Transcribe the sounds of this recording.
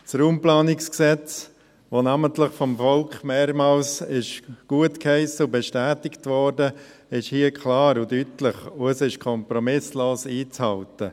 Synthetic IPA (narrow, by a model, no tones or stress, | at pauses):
sruːmplaːnɪksksɛt͡s | ʋonaməntlɪχfɔmfɔlkχmeːɾmaːlsɪʃɡ̥uətkhɛɪsəʊbeʃtæːtɪktvɔɾdə | ɪʃhiːəkʰlaːɾʊdytlɪχʊəsɪʃkʰɔmpɾɔmɪsloːsiːt͡shɑltə